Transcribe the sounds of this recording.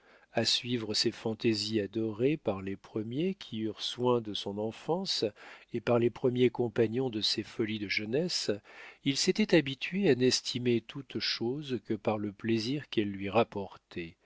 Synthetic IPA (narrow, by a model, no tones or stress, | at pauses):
asɥivʁəsefɑ̃t̪eziad̪ɔʁepaʁlepχəmjekʲʰiyʁswɛ̃d̪əsɔ̃nɑ̃fɑ̃sepaʁlepχəmjekɔ̃paɲɔ̃d̪əsefɔlid̪əʒənɛsilset̪ɛt̪abit̪ɥeanɛst̪ʰimet̪ʰut̪ʃozkəpaʁləpleziʁkɛlːɥiʁapɔʁt̪ʰɛ